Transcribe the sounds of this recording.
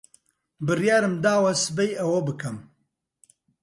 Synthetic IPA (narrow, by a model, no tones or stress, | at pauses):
bɨrjaːɾɨmd̪aːwɐsɨbejɐwɐbɨkʰɐm